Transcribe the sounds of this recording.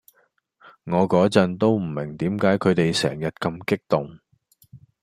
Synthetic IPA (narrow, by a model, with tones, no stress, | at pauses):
ŋɔː˨˧kɔː˨˥t͡sɐ˨˧nt̪o˥wm̩˨˩mɪ˨˩ŋt̪iː˨˥mkaː˨˥jkʰɵ˨˧ɥt̪e˨jsɛ̰ː˨˩ŋjɐ˨˩t̚kɐ˧mkɪ˥k̚t̪ʊ˨˩ŋ